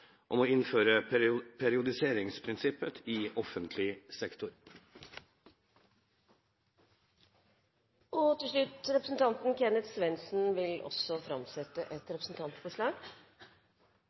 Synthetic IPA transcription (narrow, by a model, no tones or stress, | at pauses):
ʔɔmɔɪnføːɾəpʰæɾɪʊd̪ɪseːɾɪŋspʰɾɪnsɪpət̪ɪɔfənt̪ʰlɪsɛkt̪ʊɾ | ɔt̪ɪlʂɭʉt̪ɾɛpɾəsn̩t̪ʰɑnt̪n̩kʰɛnət̪sʋɛnsn̩ʋɪlʔɔ̰sɔfɾɑmsɛt̪ːəʔɛt̪ɾɛpɾəsn̩t̪ʰɑnt̪fɔʂɭɑːɡ